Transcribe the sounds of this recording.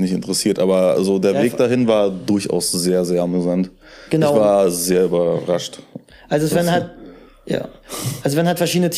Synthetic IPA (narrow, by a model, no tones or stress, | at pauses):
nɪçtɪntəʁəsiːɐtʔaːbɐa̰zodeːɐveːk̚d̥aɦɪnvaːɐdʊɐçʔa̰ʊszeːɐzeːɐamyzant | ɡ̥ənɪaçv̥aːɐzeːɐybɐʁaʃt | ʔalzovɛnhat̚ | ja̰ːalzovɛnhatfɛɐʃiːdənətʰ